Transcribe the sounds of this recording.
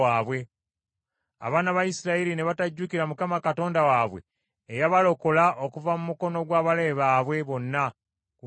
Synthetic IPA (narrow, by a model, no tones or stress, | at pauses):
aːβwe̞ | a̰βaːnaβajisiɾaiɾine̞βataɟːukiɾamukamakato̞ːndawaːβwe̞̰ː | jaβalo̞ko̞laʔokuvamumuko̞no̞ɡwaːβale̞ːβaːβwe̞βo̞nːa | k